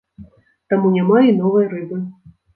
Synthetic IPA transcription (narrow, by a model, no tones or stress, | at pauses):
t̪amunʲamainɔvɐjɾɨbɨ